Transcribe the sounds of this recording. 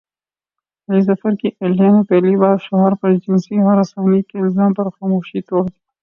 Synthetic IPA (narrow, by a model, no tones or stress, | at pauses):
ɐlizɐfɐɾkielɦemepɛɦlibaːɾʃɐɦəɾpɐɾd͡ʒɪnsiɦɐɾasaːnikeɪlzaːmpɐɾxaːmoːʃit̪oːɽd̪ija